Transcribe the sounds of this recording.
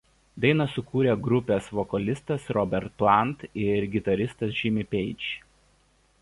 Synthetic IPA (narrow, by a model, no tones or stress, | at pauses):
d̪ɐɪnɐsʊkuːɾʲeːɡɾʊpʲeːsʋɔkɐlʲɪst̪ɐsɾɔbʲɛɾt̪̚plˠɑˑnt̪ɪɾɡʲɪt̪ɐɾʲɪst̪ɐsʒʲɪmʲɪpʲɛɪt͡ʃʲ